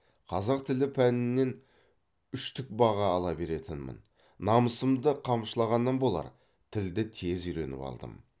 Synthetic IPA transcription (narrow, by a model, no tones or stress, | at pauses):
qʰɑzɑq̚t̪ʰɪlɪpʰænɪnːe̞n | ʏʃt̪ʰʏk̚bɑʁɑːlˠɑbe̞ɾe̞t̪ɪnmɪ̰n | nɑməsəmd̪əqʰɑmʃəlˠɑʁɑnːɑnbo̞lˠɑ̰ɾ | t̪ʰɪld̪ɪt̪ʰe̞zʏjɾe̞̰nɪ̰pɑ̰lˠd̪ə̰m